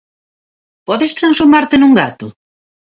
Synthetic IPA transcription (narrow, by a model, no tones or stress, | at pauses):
pɔðest̪ɾansfuɾmaɾt̪enũŋɡat̪ʊ